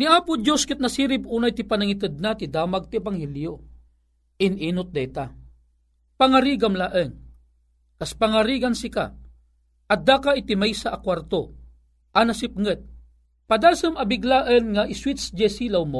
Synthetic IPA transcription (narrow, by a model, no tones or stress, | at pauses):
niaːpʊd͡ʒjoskɪt̪̚nasiːɾɪp̚uːnajt̪ipanaŋit̪ɨd̪̚nat̪id̪aːmaɡ̚t̪ɪɛbaŋhɛljo | ɪnʔiːnʊt̪̚d̪ɛt̪a | paŋaɾiːɡamlaʔəŋ | kaspaŋaɾiːɡansɪka̰ | ʔɐd̪akaɪt̪imajsaʔːkwart̪o | ʔanasɪp̚ŋɨt̪̚ | pad̪alsɨmɐbɪɡlaʔənŋaʔɪswɪt̪sd͡ʒɛsilawmo